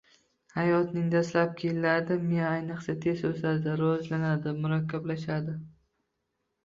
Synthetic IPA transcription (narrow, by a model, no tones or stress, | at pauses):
hajɒt̪nɪŋd̪aslap̚kʲʰelːad̪ɪmeajnɨqsat̪ʰe̞zosad̪ɪɾɒɒzlanad̪ɪmʊɾakʲʰːablaʃad̪ɪ